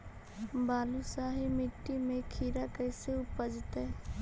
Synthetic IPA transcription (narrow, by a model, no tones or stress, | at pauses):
baːlusaːɦimɪʈːimẽkʰiːɾakəːseʊpəd͡ʒt̪ɛ